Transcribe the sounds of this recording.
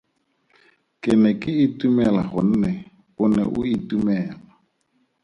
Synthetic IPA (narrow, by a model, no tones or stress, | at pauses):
kʼɪnɛkʼɪɪtʼumɛlaχʊn̩nɛ | ʊnɛ̰ʔʊitumɛːla